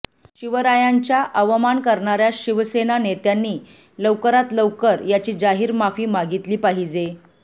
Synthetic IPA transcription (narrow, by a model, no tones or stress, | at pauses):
ɕiʋəɾajaɲt͡ɕjaʔəʋmankəɾɳaɾjaɕiʋsenanet̪janːiː | ləʋkəɾat̪ləʋkəɾjat͡ɕiːd͡zaɦiːɾmafiːmaɡit̪liːpaɦid͡ze